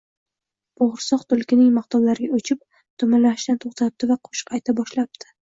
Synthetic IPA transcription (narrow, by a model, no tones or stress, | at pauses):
boʁɾsɒqt̪ʰʊlkʲɪnɪŋmaqt̪ɒwlaɾɪɡʲaɵt͡ʃʰɪp̚ | t̪ʰʊmanlaɪʃt̪ant̪ʰoχt̪ʰap̚t̪ɪvaqʰo̥ʃɨ̥qɑjt̪ʰabɒʃlap̚t̪ʰɪ̥